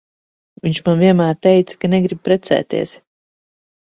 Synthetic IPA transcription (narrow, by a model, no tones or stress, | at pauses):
viɲʲt͡ʃmanviɛnmæːɾt̪ɛjt̪sḁkanɛɡɾib̚pɾɛt̪sɛ̰ːt̪ḭɛs